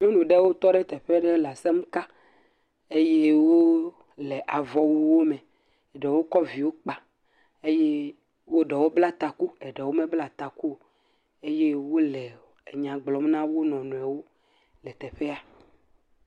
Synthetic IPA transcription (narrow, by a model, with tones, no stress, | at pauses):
ɲẽ˦nũ˨ɖe˦wo˦t̪ɔ˦ɖɛ˦t̪ɛ˨ɸe˦ɖe˦la˨se˦m˦ka˦ | e˦je˦wo˦ | lɛ˨ʔa˨vɔ˨wu˦wo˦mɛ˨ | ɖɛ˨wo˦kɔ˦vi˨wo˦k͡pa˨ | e˦je˦ | wo˦ɖɛ˨wo˦bla˦t̪a˨ku˦ɛ˨ɖɛ˨wo˦mẽ˦bla˨t̪a˨ku˦o˨ | e˦je˦wo˦lɛ˨ | ɲã˨ɡ͡blɔ˨mnã˦wo˦nɔ̃˨nũ˨ɛ˨wo˦ | lɛ˨t̪ɛ˨ɸe˦a˨